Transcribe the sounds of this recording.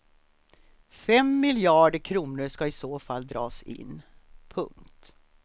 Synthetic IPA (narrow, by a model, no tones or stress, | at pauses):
fɛmːɪljɑːɖəkʰɾuːnəʂkɑɪsoːfalːd̪ɾɑːsɪ̰nː | pʰɵ̰ŋkt̪